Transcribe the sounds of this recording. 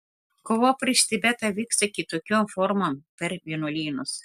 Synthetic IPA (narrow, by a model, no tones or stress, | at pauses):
koːʋoːpʲɾʲiʃʲt̪ʲɪbʲæt̪ɐʋʲiːkst̪ɐkʲɪt̪oːkʲoːmfɔɾmompʲɛɾʋʲiɛnolʲiːnʊs